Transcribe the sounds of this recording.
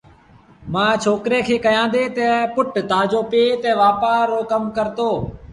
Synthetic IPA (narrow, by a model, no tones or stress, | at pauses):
mãːt͡ʃʰoːkɾeːkʰeːkəjãːnd̪eːt̪ɛːpʊʈt̪aːd͡ʒoːpeːt̪ɛːʋaːpaːɾoːkəmkəɾt̪oː